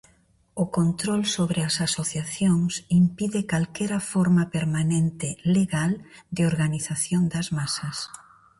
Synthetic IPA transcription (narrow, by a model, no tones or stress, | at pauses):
ʊkont̪ɾolsoβɾeasasoθjaθjoŋsimpiðɪkalkɛɾɐfɔɾmapeɾmanent̪ɪleɣald̪ɪoɾɣaniθaθjond̪ɐzmasɐs